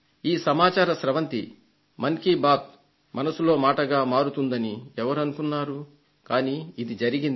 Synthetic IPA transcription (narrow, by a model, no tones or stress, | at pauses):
iːsɐmaːt͡ʃaːɾɐʃɾɐʋɐnt̪i | mɐnkiːbaːt̪̚ | mɐnɐsulo̞ːmaːʈɐɡaːmaːɾut̪und̪ɐniɛʋɐɾɐnukunːaːɾu | kaːniːid̪id͡ʒɐɾiɡind̪